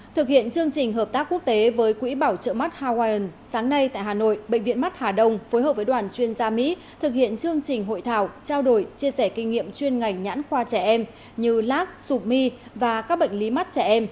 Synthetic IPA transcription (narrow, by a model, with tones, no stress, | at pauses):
t̪ʰɨ˨˩k̚hḭ˧˨ənt͡ɕɨ˧əŋt͡ɕï˨˩ŋ̟ɦəː˨˩p̚t̪aː˦˥kːu˦˥ək̚t̪e˨˦vəː˨˦jkwḭ˧˥ɓaː˧˩wt͡ɕə̰ː˧˨ma˦˥t̚haː˧waː˧jə˨˩nsaː˨˦ŋna˧jt̪a̰ː˧˨jɦaː˨˩no̰˧˨jɓə̰˧˨ŋ̟vḭ˧˨ənma˦˥t̚haː˨˩ɗə˧wŋ͡mfo˨˦jɦəː˨˩p̚vəː˨˦jɗwaː˨˩nt͡ɕwi˧ənzaː˧mḭ˧˥ | t̪ʰɨ˨˩k̚hḭ˧˨ənt͡ɕɨ˧əŋt͡ɕï˨˩ŋ̟ɦo̰˧˨jt̪ʰaː˧˩wt͡ɕaː˧wɗo˧˩jt͡ɕi˧əsɛ˧˩kï˧ŋ̟ŋḭ˧˨əmt͡ɕwi˧ənŋa˨˩jŋ̟ɲa̰ː˧˥nxwaː˧t͡ɕɛ˧˩ʔɛ˧m | ɲɨ˧laː˦˥k̚su˨˩p̚mi˧vaː˨˩kaː˦˥k̚ɓə̰˧˨ŋ̟li˨˦ma˦˥t̚t͡ɕɛ˧˩ʔɛ˧m